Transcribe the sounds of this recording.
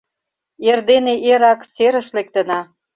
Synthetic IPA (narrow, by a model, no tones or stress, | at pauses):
erd̪eneʔeɾɑkseɾə̆ʃlek̚t̪ə̆nɑ